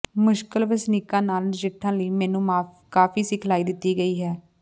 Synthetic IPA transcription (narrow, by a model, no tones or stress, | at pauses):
mʊʃkəlbəsnɪːkãːnaːld͡ʒɪʈʰːãːləiːmɛːnũːmaːf | kaːfiːsɪkʰlaːiːd̪ɪt̪ːiːɡəiːɦɛː